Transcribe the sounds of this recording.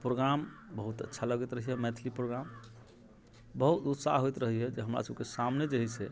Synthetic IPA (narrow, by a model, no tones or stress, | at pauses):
pɾoɡɾambəɦut̪ətːʃʰaləɡɛt̪ɾəɦiɦɛmɛt̪ʰlipɾoɡɾam | bəɦut̪ut̪sa̰ɦojt̪ɾəɦiɦɛd͡ʒeɦəmɾa̰səb̚kesamned͡ʒəɦise